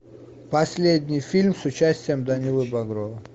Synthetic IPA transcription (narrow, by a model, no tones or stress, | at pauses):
pɐsʲlʲed̪̚ʲnʲijfʲilʲmsʊt͡ɕasʲtʲɪjəmd̪ɐnʲilˠɨbɐɡɾɔvɐ